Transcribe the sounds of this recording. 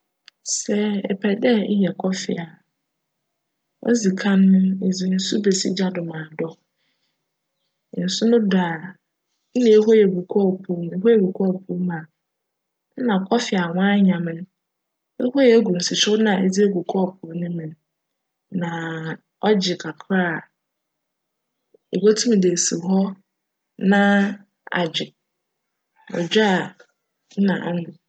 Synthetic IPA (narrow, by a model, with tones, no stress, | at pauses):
sɛ˦ɛ̰˨pʰɛ˨dɛ˦jɛ˨kʰɔ˦fɪ̰˨a˨ | ɔ̰˦zi˨kʰã˦nːʊ̃˦e˨d͡zi˨n̩˦sʊ˦be˨sḭ˦d͡ʑa˦dʊ˨mãː˨dɔ˦ | n̩˨sʊ˦nʊ̃˦daː˨ | n̩˦nɪ̃˨˦e˦ɦo˦jɛ˨ɡu˨kʰɔ˦˨pʰu˦m˦e˦ɦo˦jɛ˨ɡu˨kʰɔ˦˨pʰu˦mã˨˦ | nã˨kʰɔ˦fɪ˨a˨wɔ̃˦a˦ɲã˨mɪ̃˦n˦ | e˦ho˦jɛ˨˦ɡʷu˨n̩˨sɪ˨t͡ʃʊ˦nã˨e˨d͡zi˦e˦ɡʷu˨kʰɔ˦˨pʰʊ˨˦nɪ̃˦mɪ̃˨n | nã˨ | ɔ˦d͡ʑɪ˨kʰa˨kʰɾa˦˨ | e˨wo˦tʰu˦m˨de˨si˨ɦɔ˦ | nã˦ | a̰˨d͡ʑɪ˨ | ɔ̰˨d͡ʑᶣa˦a˨ | n̩˦nã̰˨ʔa˦nʊ̃˨